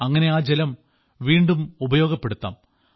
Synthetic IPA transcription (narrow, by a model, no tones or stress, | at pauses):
ɐŋːɐne̞aːd͡ʑelɐm | ʋiːɳɖumubɐjo̞ːɡɐpːe̞ɽut̪ːa̰ːm